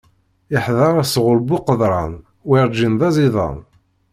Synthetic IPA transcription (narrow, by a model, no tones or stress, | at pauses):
ɪħðɑɾˤasʁʊlbʊqəðˤɾˤɑ̰n | wiɾˤd͡ʒinðɑziðˤɑ̰n